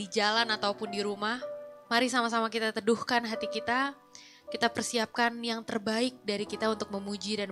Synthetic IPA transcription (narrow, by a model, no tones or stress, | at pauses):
id͡ʒalanat̪awpʊndiɾumahmaɾisamasamakit̪at̪əduhkanɦat̪ikit̪a | kit̪apərsiap̚kanjaŋt̪ərbaɪk̚daɾikit̪aunt̪ʊk̚məmud͡ʒidan